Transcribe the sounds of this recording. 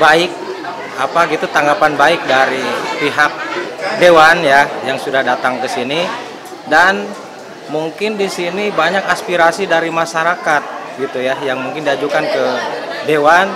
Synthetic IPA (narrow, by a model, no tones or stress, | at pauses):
baɪk̚ | apaɡit̪ut̪aŋɡapanbaɪk̚daɾipiɦak̚dewanjajaŋsudahdat̪aŋkəsini | dan | muŋkɪndisinibaɲakaspiɾasidaɾimaʃaɾakat̪̚ɡit̪ujajaŋmuŋkɪndiad͡ʒukankədewan